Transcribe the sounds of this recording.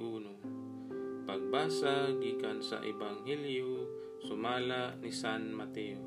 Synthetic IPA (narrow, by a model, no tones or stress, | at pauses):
ʔuːno | paɡ̚baːsaɡiːkansa̰ʔɪbaŋɦɛljo | sʊmaːlaʔnisanmat̪ɛo